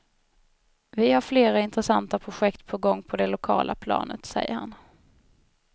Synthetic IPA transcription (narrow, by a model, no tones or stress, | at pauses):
vɪhaɾfleːɾaɪnt̪ɾɛsant̪apʰɾʊɧɛkt̪pʰɔɡɔŋːpʰɔd̪ɛlʊkʰɑ̰ːlapʰlɑ̰ːnət̪sɛjːə̰ha̰n